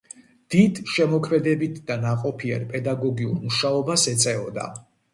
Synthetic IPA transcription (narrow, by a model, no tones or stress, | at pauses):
d̪̥id̪ʃɛmɔkʰmɛd̪ɛbit̪ʰd̪anaqʼɔpʰia̰ɾpʼɛd̪aɡɔɡiṵɾmuʃaɔbasɛt̪sʼɛɔd̪a̰